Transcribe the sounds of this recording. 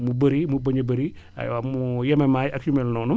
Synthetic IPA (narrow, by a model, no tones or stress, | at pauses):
mubɐɾimubɐɲɐbɐɾi | a̰jwamujɐmemajɐkumɛlnɔːnum